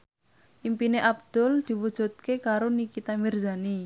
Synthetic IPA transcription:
ʔimpineʔab̚d̪̥ʊld̪̥i̤wud̥ʒ̥ṳt̪̚kekaɾonikit̪amirzani

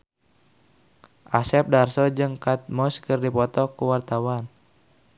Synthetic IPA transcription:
ʔasɛp̚darsɔd͡ʒɨŋkat̪̚mɔskɨrdipɔt̪ɔkuwart̪awan

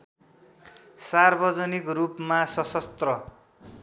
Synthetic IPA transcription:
sarbʌd͡zʌnikrupmasʌsʌst̪rʌ

